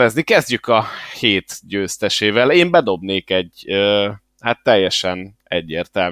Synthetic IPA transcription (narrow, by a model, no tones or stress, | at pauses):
ɛznikɛzɟykɒheːt̪ɟøːst̪ɛʃeːvɛleːmbɛd̪o̞bneːkɛɟøː | hat̪ːɛjːɛʃɛn | ɛɟːeːrt̪ɛl